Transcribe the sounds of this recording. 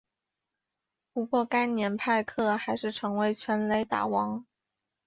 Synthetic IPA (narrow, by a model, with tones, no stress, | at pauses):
pu˧˥kwɔ˥˩ka˥ɪnjɛ˧˥npʰa˥˧ɪkʰɤ˥˩xa˧˥ɪʂɻ̩˥˩ʈ͡ʂʰɤ˧˥ŋwe˧˥ɪt͡ɕʰɥɛ˧˥nle˧˥ɪt̪a̰˨˩wɑ˧˥ŋ